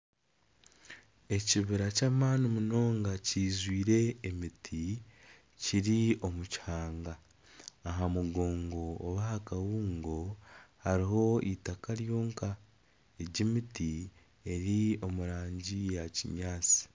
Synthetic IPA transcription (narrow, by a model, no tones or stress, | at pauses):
e̞ciβiɾacaːmaːnimuno̞ːŋɡaciːzwiːɾe̞ːmitʰi | ciɾio̞muchaːŋɡaː | ɦamuɡo̞ːŋɡo̞ːβahakawuːŋɡo̞haɾiɦo̞itakaɾjo̞ːŋka | eɟimiti | e̞ɾio̞muɾaːɲɟijaciɲaːt͡si̥